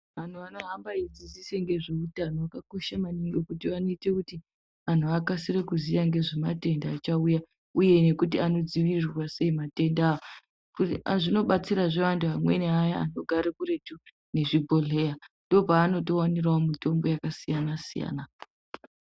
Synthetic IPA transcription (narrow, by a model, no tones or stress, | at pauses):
ʋan̤uʋano̞ɦambaid͡ziziseŋɡe̞ʐiutanoakako̞ʃamaniŋɡokutiʋano̞ite̞kuti | ʋan̤uakasirekuzijaŋɡe̞ʐemate̞ndaːt͡ʃauja | uje̞ne̞kut̬iano̞d͡ziʋirwase̞imate̞ndaːo | kuʐino̞ɓat͡siɾaʐe̞ʋantuɦamwe̞̰neajaa̰no̞ɡʱaɾekuɾe̞tu | ne̞ʐibʱo̞ɮe̞jandob͡vaːno̞t̬o̞waniraomitombo̞jakasijanasija̰ːna